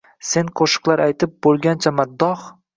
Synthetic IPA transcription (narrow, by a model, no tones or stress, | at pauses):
se̞nqʰoʃɨ̥qlˠaɾajt̪ʰɪp̚bolˠɡʲant͡ʃʰamad̪ːɒχ